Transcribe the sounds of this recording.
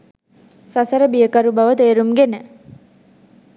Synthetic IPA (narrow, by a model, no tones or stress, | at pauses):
sasəɾəbijəkəɾubaʋət̪eːɾumɡenə